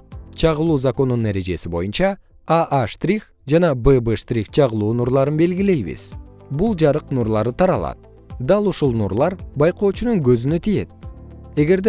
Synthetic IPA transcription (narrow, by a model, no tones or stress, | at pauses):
t͡ʃʰɑʁəlˠuːzako̞nːunːe̞ɾed͡ʒe̞sibo̞̰junt͡ʃɑ | aʔaʃt̪rʲix | d͡ʒɑnɑbɨbɨʃt̪rʲikt͡ʃʰɑʁɯlˠuːnuɾlˠɑɾɯnbe̞lɡile̞jβḭz̥bulˠd͡ʒɑɾɯqnuɾlˠɑɾɯt̪ʰɑɾɑlˠɑ̰t̪̚ | d̪ɑlˠuʃulˠnuɾlˠɑɾbɑjqo̞ːt͡ʃunuŋɡø̞zynøt̪ʰije̞t̪̚e̞ɡe̞ɾd̪e